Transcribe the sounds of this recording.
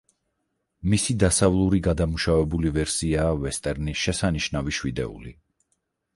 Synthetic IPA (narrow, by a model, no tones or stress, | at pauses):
misid̪asavlˠuɾiɡad̪amuʃavɛbulivɛɾsiaːvɛst̪ʼɛɾniʃɛsaniʃnaviʃwid̪ɛ̰ṵli